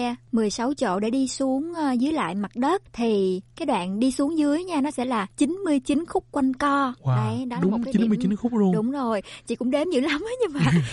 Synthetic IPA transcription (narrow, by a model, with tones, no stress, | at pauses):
mɨ˨˩əjsa˨˦wt͡ɕo̰˧˨ɗe˧˩ɗi˧su˨˦əŋː˧zɨ˨˦jla̰ː˧˨jma˨˩t̚ɗə˦˥t̚t̪ʰi˨˩kaː˨˦jɗwa̰ː˧˨nɗi˧su˨˦əŋzɨ˨˦əjɲaː˧nɔ˨˦sɛ̰˧˥laː˨˩t͡ɕi˨˦nmɨ˧əjt͡ɕi˨˦nxʊ˦˥k͡p̚kwa˧nkɔ˧ə˧˨jɗɔ˨˦laɗkːa˦t͡ɕi˨˧˦n˧˨mɨ˧t͡ɕi˨˦nxʊ˦˥k͡p̚zu˧əɗʊ˨˦ŋ͡mzo˨˩jt͡ɕḭ˧˨kʊ̰˧˥ŋ͡mɗe˨˦mzɨ̰˧˥lə˨˦məː˨˦ɲɨ˧və˨j